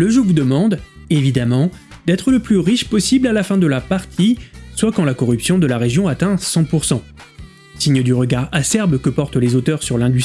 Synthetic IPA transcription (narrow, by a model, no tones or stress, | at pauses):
ləʒuvud̪əmɑ̃d̪evid̪amɑ̃d̪ɛt̪χələplyʁiʃpɔsiblalafɛ̃d̪əlapaʁt̪ʰiswakɑ̃lakɔʁypsjɔ̃d̪əlaʁeʒjɔ̃at̪ɛ̃sɑ̃puʁsɑ̃ | siɲəd̪yʁəɡaʁasɛʁbkəpɔʁt̪lezot̪œʁsyʁlɛ̃d̪y